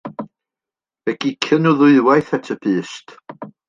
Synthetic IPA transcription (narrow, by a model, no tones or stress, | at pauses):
ɛɡikʰənuðʊɨðwajθɛtʰəpʰɨːst